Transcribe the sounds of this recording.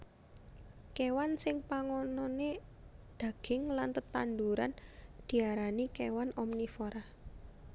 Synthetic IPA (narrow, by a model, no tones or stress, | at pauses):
kewansɪŋpaŋɔnɔne | d̪̥a̤ɡ̥ɪŋlant̪ət̪and̪uɾa̰nd̪̥i̤aɾanikewanɔmnifoɾa